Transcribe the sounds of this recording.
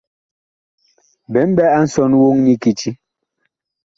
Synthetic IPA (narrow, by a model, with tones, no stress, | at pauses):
bɛ˨˦m̩˦bɛ˦a˦n̩˨˦sɔ˦˨nwo˦ŋɲi˦ki˨t͡ʃi˦